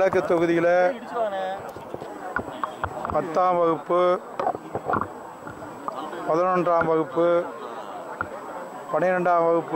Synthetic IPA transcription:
ɐkːɯt̪ːɔɣɯðɪjɪlɐ | pɐt̪ːaːmʋɐɣɯpːɯ | pɐðɐnɔɳdraːmʋɐɣɯpːɯ | pɐɳɪjɪɾɐɳɖaːmʋɐɣɯpːɯ

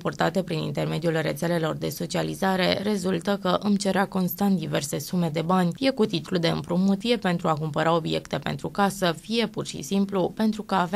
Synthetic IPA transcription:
purt̪at̪e̞pɾinḭnt̪e̞rme̞d̪ijulre̞t̪se̞le̞lo̞rd̪e̞so̞t͡ʃializaɾe̞re̞zult̪əkəʔɨmt͡ʃe̞ɾeako̞nst̪ant̪̚d̪ive̞rse̞sume̞d̪e̞banʲfije̞kut̪it̪ulud̪e̞ɨ̰mpɾumut̪ije̞pe̞nt̪ɾuakumpəɾao̞bije̞kt̪e̞pe̞nt̪ɾukasəfije̞purʃḭsimplupe̞nt̪ɾukəːv

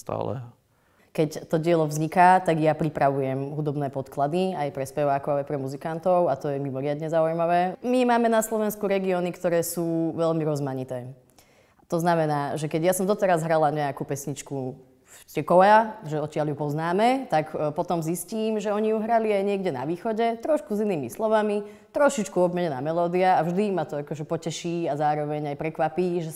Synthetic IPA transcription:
st̪a̰ːlɛ̰ | kɛct̪ɔɟɪɛlɔvzɲikaːt̪aɡjapɾipɾaʋujɛmɦud̪ɔbnɛːpɔt̪klad̪iajpɾɛspɛʋaːkɔʊajpɾɛmuzikant̪ɔʊat̪ɔjɛmimɔɾɪad̪ɲɛzaujmaʋɛːmimaːmɛnaslˠɔʋɛnskuɾɛɡiɔːnikt̪ɔɾɛːsuːʋɛlmiɾɔzmaɲit̪ɛː | t̪ɔznamɛnaːʒɛkɛɟjasɔmd̪ɔt̪ɛɾazɦɾalaɲɛakupɛsɲit͡ʃku | t̪ɪɛkɔaʒɛɔt̪cɪaljupɔznaːmɛt̪akpɔt̪ɔmzisciːmʒɛɔɲijuɦɾaliajɲɪɛɡɟɛna̰ʋiːxɔɟɛt̪ɾɔʃkuziniːmislɔʋami | t̪ɾɔʃit͡ʃkuɔbmɛɲɛna̰ːmɛlɔːd̪iaːvʒd̪imat̪ɔakɔʒɛpɔcɛʃiːazaːɾɔʋɛɲajpɾɛkʋapiːʒɛ

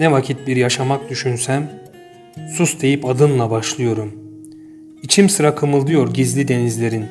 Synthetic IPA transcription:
nɛvacʰit̪̚biɾjaʃamak̚d̪yʃynsæm | susd̪e̞jipad̪ɯnlˠabaʃlˠɯjo̞ɾum | it͡ʃʰimsɯɾakʰɯmɯlˠd̪ɯjo̞ɾɟizlʲid̪e̞nizlʲe̞ɾin

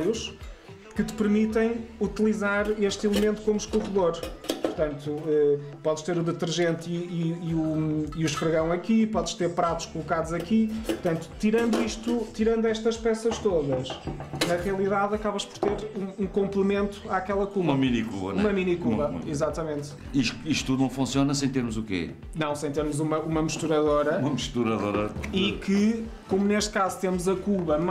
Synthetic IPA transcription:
juʃ | kɨt̪ɨ̥pɨɾmit̪ɐ̃j̃ut̪ilˠizaɾeʃt̪ilˠɨmẽnt̪ukomuʃkuʁɨðoɾpuɾt̪ɐ̃nt̪uɛpɔðʃt̪eɾuðɨt̪ɨɾʒẽnt̪iiːuiuʃpɾɨɣɐ̃w̃ɐkipɔðʃt̪eɾpɾat̪u̥ʃkulˠukaðuzɐkipuɾt̪ɐ̃nt̪u̥t̪iɾɐ̃nd̪uiʃt̪ut̪iɾɐ̃nd̪uɛʃt̪ɐʃpɛsɐʃt̪oðɐʃnɐʁiɐlˠiðaðɐkaβɐʃpɔɾt̪eɾũũkõmplˠɨmẽnt̪u̥akɛlˠɐkumɐminikṵβɐ̰umɐminikuβɐ̰izat̪ɐmẽnt̪ | iʃt̪iʃt̪ut̪ːuðunɐ̃w̃fũsiɔnɐsɐ̃j̃t̪eɾmuzukḛɛ̰ | nɐ̃w̃sɐ̃j̃t̪eɾmuzumɐumɐmɨʃt̪uɾɐðoɾɐumɐmʃt̪uɾɐðoɾɐikɨ | komuneʃt̪̚kazut̪eɾmuzɐkuβɐm

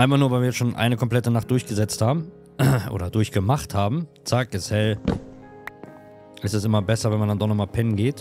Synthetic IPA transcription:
ʔaɪnfaχnuːɐvaɪviːjɛt͡sʃoːnʔa̰ɪnəkʰɔmpl̥ɛtənaχt̚d̥ʊɐçɡ̥əzɛt͡sthaːbm̩ | ʔo̰ːdɐdʊɐçɡ̥əmaχthaːbm̩ | t͡sak̚ɡ̥əshɛl | ʔɪstɛsʔɪmɐbɛsɐvɛnmandandɔχnɔχmaːlpʰɛnɡeːt

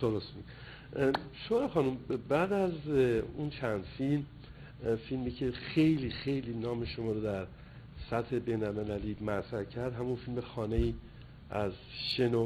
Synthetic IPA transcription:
d̪̥oɾost̪mi | ʃoɾɒxɒːnumbæd̪æzunt͡ʃʰænd̪̥film | filmiːcʰe̞xejliːxe̞jliːnɒːme̞ʃomɒːɾod̪æɾ | sæt̪he̞beːnælme̞læliːmæt̪ɾæɾcʰæɾd̪ɦæmunfilmexɒːnejiː | ʔæz | ʃe̞no

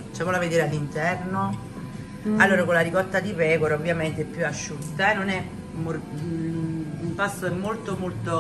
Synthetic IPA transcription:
t͡ʃɛkmolaved̪eːɾalːint̪ɛrno | alːoːɾakolːaɾikɔt̪ːad̪ipɛːkoɾaovːjament̪eɛpːjuaʃːut̪ːanonɛ | mo | umpasːoɛmːolt̪omolt̪o

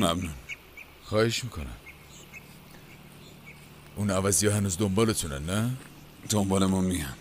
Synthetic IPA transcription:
mæbnun | xɒːheʃmiːkʰonæ̰n | ʔunævæzijɒɦænuːzd̪ombɒːlet̪ʰunæ̰nːæ | d̪̥ombɒːlemɔmijan

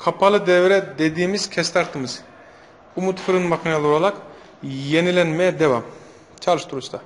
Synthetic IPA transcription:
kʰapʰalˠɯd̪evɾɛd̪ed̪iːmiz̥cʲʰɛst̪ʰaɾt̪ʰɯmɯz | umut̪fɯɾɯnmakʰinalˠuɾalˠak | jenilʲɛnmɛjɛd̪eva̰m | t͡ʃʰalˠɯʃt̪uɾust̪ʰa

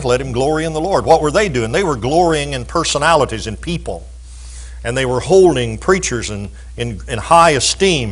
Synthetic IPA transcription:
flɛt̚hɨ̃mɡlɔɹiɨ̃nðəlɔɹd̚wʌt̚wə˞ðeɪdʉɪ̃ŋðeɪwə˞ɡlɔɹiɪ̃ŋɨ̃npʰɜ˞sənælˠəɾizɨ̃npʰipə̰l̩ˠ | ɨ̃nðeɪwə˞hoʊlˠdɪ̃ŋpʰɹ̥it͡ʃə˞zɨ̃n | ɨ̃nɨ̃nhaɪɨstĩm

